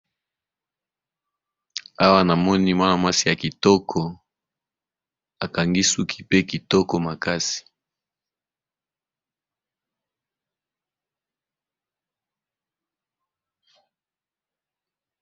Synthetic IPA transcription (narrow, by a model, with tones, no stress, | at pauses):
a˦wa˦na˨mɔ˦ni˦mwa˦na˨ma˦si˨ja˨ki˨tɔ˦kʰɔ˨ | a˨ka˨ŋɡi˦su˦kʰi̥˨pe˦ki˨tɔ˦kɔ˨ma˨ka˦si̥˨